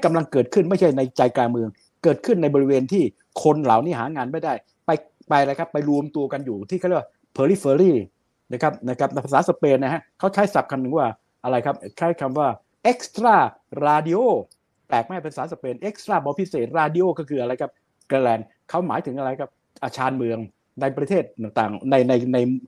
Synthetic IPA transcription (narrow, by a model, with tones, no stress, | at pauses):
ka˧mla˧ŋkɤː˨˩t̪̚kʰɯ˥˩nma˥˩jt͡ɕʰa˥˩jna˧jt͡ɕa˧jkaː˧nmɯ˧əŋ | kɤː˨˩t̪̚kʰɯ˥˩nːa˧jbɔː˧ɾi˧weː˧nt̪ʰiː˥˩ | kʰo˧nla˩˦wniː˦˥˩ɦaː˩˦ŋaː˧nma˥˩jdaː˥˩j | pa˧j | pa˧jɾa˧jkʰa˦˥pːa˧jlu˧əmt̪u˧əka˧njuː˨˩t̪ʰiː˥˩a˥˩˨wa˥˩pʰɤː˧li˦˥˩fəː˧ɾiː˥˩ | na˦˥˩kʰa˦˥p̚na˦˥˩kʰa˦˥p̚pʰa˧˩saː˩˦sa˧peː˧nːa˦˥˩ɦa˦˥kʰa˦˥˩wt͡ɕʰa˦˥jsa˨˩p̚kʰa˧nːɯ˨˦ŋwaː˥˩ | ʔa˧ɾa˧jkʰa˦˥p̚kʰaː˦˥˩kʰa˧mwaː˥˩ | ʔe˦˥k̚st̪ɾaː˥˩ | ɾaː˧di˧˥ʔoː˥˩ | p̪ɛː˨˩k̚ma˦˥˩jpe˧nsaː˨˦sa˧peː˧nʔe˦˥k̚st̪ɾaː˥˩bɔː˧pʰi˦˥˩seː˨˩t̪̚ɾaː˧di˧ʔoː˥˩kɔː˥˩kʰɯː˧ʔa˧ɾa˧jkʰa˦˥p̚ | keː˧lɛː˧n | kʰa˦˥˩wma̰ː˩˦jt̪ʰɯ˩˦ŋʔa˧ɾa˧jkʰa˦˥p̚ | ʔa˧t͡ɕʰaː˧nmɯ˧əŋ | na˧jpɾa˧t̪ʰeː˥˩t̪̚ːaː˨˩ŋt̪aː˨˩ŋna˧jna˧jna˧j